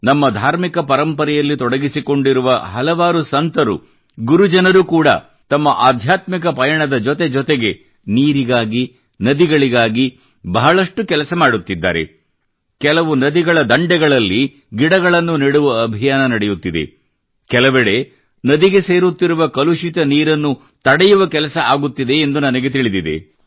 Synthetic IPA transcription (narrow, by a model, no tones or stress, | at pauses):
nɐmːɐd̪ʱaːɾmikɐpɐɾɐmpɐɾɛjɐlːit̪ɔɽɐɡisiko̞ɳɖiɾuʋɐɦɐlɐʋaːɾusɐnt̪ɐɾṵ | ɡuɾud͡ʒɐnɐɾukuːɽɐ̰ | t̪ɐmːɐʔaːd̪ʱjaːt̪mik̬ɐpɐjɐɳɐd̪ɐd͡ʒɔt̪e̞d͡ʒɔt̪eɡe̞ | niːɾiɡaːɡi | nɐd̪iɡɐɭiɡaːɡi | bɐɦɐɭɐʂʈukɛlɐsɐmaːɽut̪ːid̪ːa̰ːɾe̞̰ | kɛlɐʋunɐd̪iɡɐɭɐd̪ɐɳɖɛɡɐɭɐlːi | ɡiɽɐɡɐɭɐnːuniɽuʋɐːbʱijaːnɐnɐɽejut̪ːid̪e̞̰ | kɛlɐʋɛɽe̞ | nɐd̪iɡe̞se̞ːɾut̪ːiɾuʋɐkɐluʂit̪ɐniːɾɐnːu | t̪ɐɽɛjuʋɐkɛlɐsɐaːɡut̪ːid̪e̞ːnd̪unɐnɐɡe̞t̪iɭid̪id̪ḛ